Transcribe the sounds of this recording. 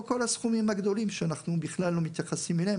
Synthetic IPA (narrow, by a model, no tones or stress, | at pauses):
ko̞lasχumimhaɡd̪o̞limʃeanaχnubiχlalːo̞mit̪jaχasimelee